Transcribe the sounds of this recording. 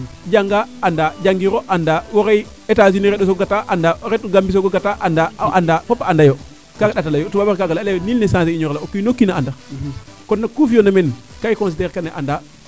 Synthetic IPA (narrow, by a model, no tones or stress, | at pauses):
d͡ʒaŋɡaːndad͡ʒaŋɡiɾoʔandawoɾej | etaziniɾeɗos̬oɡataʔandaɾet̚ːuɡambis̬oɡoɡataʔandaʔandafopːaandajo | kakaɗatalajotubabaɾkaɡalalaonilnesãs̬eiɲoɾlaokːinokːinaandakonːakufijonamenkajkõns̬ideɾkaneʔanda